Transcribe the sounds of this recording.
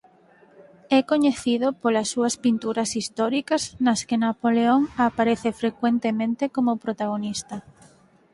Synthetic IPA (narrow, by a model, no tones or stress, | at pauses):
ɛkoɲeθiðopolɐsːuɐspint̪uɾɐsist̪ɔɾikɐznɐskenapoleoŋapaɾeθefɾekwent̪emẽnt̪ekomopɾot̪aɣ̞onist̪ɐ